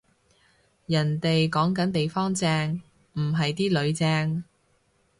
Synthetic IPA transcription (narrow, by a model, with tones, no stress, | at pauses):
jɐ˨˩nt̪e˨jkɔː˨˥ŋkɐ˨˥nt̪e˨jfɔː˥ŋt͡sɛː˧ŋ | m̩˨˩ɦɐ˨jt̪iː˥lɵ˨˧ɥt͡sɛː˧ŋ